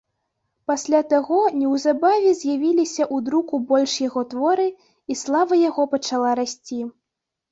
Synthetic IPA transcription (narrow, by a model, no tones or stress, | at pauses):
pasʲlʲat̪aɣɔnʲɛwzabavʲɛzʲjavʲilʲisʲɐʔud̪ɾukubɔlʲʂjaɣɔt̪vɔɾɨ | islˠavɐjaɣɔpɐt͡ʂalˠaɾasʲt͡sʲi